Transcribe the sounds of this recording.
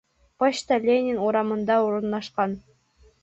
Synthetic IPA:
pɑɕt̪ɑlʲenʲɪnuɾɑmɤ̆nd̪ɑoɾɤ̆nːɑʃqɑn

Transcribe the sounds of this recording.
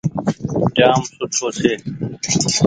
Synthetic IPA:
d͡ʒaːmsʊʈʰoːseː

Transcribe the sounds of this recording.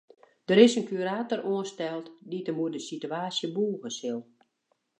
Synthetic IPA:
d̥əɾɪsənkyɾaːtəroənstɛlˠtditəmuədəsityaːsjəbuːɣəsɪlˠ

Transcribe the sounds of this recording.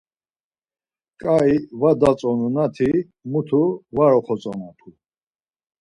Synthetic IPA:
kʼaivad̪at͡sʼɔnunat̪ʰi | mut̪ʰuvaɾɔχɔt͡sʼɔnat̪ʰu

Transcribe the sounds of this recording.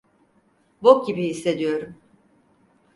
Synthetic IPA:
bok̚ɟibihisːe̞d̪ijo̞ɾum

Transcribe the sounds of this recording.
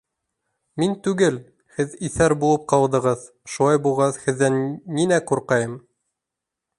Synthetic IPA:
mint̪ʉɡɘl | hɘðiθæɾbulˠɤp̚qɑwd̪ɤ̆ʁɤð | ʃulˠɑjbulˠʁɑθhɘ̆ðːænːinæquɾqɑjɤm

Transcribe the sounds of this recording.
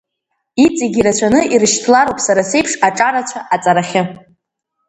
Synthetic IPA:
it͡sʼiɡʲiɾat͡ɕʷʰanɨirɨʃtʰlaɾowpʼsaɾase̞jpʰʂaʈ͡ʂʼaɾat͡ɕʷʰaʔat͡sʼaɾaχʲɪ

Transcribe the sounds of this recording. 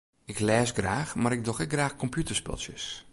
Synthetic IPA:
ɪklɛːsɡraːxmaɾɪk̚dɔxɛɡraːxkʰɔmpʰjutəspø̰lˠsjə̰s

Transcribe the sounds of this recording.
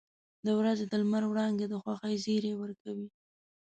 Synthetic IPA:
d̪əwɾazed̪əlmaɾwɽɑnd̪ed̪əxwaxəjziɾewəɾkawi

